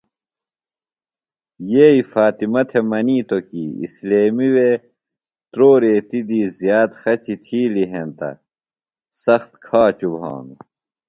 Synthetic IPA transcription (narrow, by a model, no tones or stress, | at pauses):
jeːifaːt̪imɐt̪ʰemɐniːt̪okḭḭsleːmiwe | t̪ɾoːɾeːt̪id̪iːzjaːt̪xɐt͡ɕit̪ʰiːliɦent̪ɐ̰ | sɐxt̪kʰaːt͡ɕubɦã̰ːme